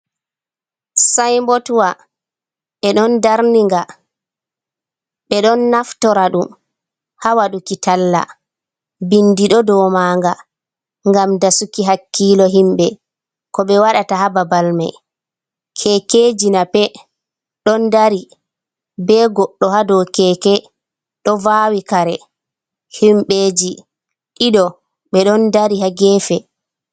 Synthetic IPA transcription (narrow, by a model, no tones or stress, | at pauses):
sajmbɔtwa | ɓɛɗɔndaɾniŋɡa | ɓɛɗɔnːaftɔɾaɗum | hawaɗukitalːa̰ | bindiɗɔdɔmaːŋɡa | ŋɡamdasukiɦakːiːlɔɦimɓɛ | kɔɓɛwaɗatahababalma̰j | kʰɛked͡ʒinapɛ | ɗɔndaɾi | bɛɡɔɗːɔhadɔkɛːkɛ | ɗɔvawikaɾɛ | himɓeːd͡ʒi | ɗiɗɔ | ɓɛɗɔndaɾihaɡɛːfɛ